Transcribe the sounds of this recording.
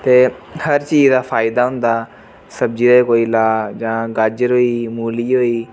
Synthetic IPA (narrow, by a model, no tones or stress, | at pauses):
t̪eːhəɾt͡ʃiːzd̪aːpʰaːɪd̪aːɦʊnd̪aː | səb̚d͡ʒiːɾekoːiːlaːd͡ʒãːɡəd͡ʒɾɦoːiːmuːliːɦoːiː